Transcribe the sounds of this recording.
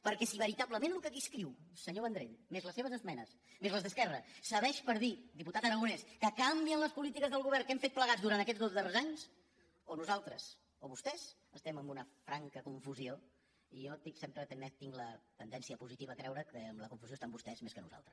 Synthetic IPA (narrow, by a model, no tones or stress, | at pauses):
pəɾkɛsiβəɾit̪aβləmenlukəkiskɾiwsəɲoβənd̪ɾḛt̪mezləseβəzəzmɛnəs | mezləzðəskɛrəsəβɛʃpəɾðid̪iput̪at̪əɾəɣuneskəkambiənləspulit̪ikəzðəlˠɣuβɛɾkɛmfet̪̚pləɣad͡zzd̪uɾant̪əkɛd͡zðozðərezaɲs | onuzalˠt̪ɾəs | oβust̪ɛz | əst̪ɛməmbunəfɾaŋkəkuɱfuzio | ijɔt̪isempɾət̪əmɛt̪iŋɡlət̪ənd̪ɛnsiəpuzit̪iβəːk̪ɾɛwɾəkəmləkuɱfuz̥ost̪ambust̪ɛzmeskənṵza̰lˠt̪ɾəs